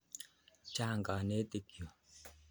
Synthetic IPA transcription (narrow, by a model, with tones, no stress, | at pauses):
t͡ʃa˦˨ŋɡa˨ne˦t̪e˦˨kjo˨